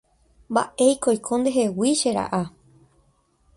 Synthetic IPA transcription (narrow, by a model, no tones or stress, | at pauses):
mba̰ʔejkojkʰond̪eɦewiʃeɾa̰ʔa